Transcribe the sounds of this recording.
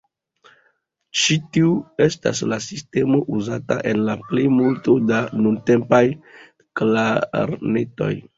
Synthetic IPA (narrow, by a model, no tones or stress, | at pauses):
t͡ʃitiue̞sta̰slasiste̞mo̞ʔuzata̰ʔe̞nlaplejmulto̞danunte̞mpaj | klaɾne̞to̞̰j